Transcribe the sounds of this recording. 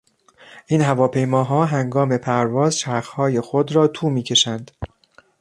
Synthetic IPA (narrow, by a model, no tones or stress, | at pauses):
ʔiːnɦævɒːpʰe̞jmɒːɦɒːɦæŋɡɒːme̞pʰæɾvɒːzʃæɾxhɒːje̞xod̪ɾɒːt̪ʰuːmiːcʰe̞ʃænd̪̥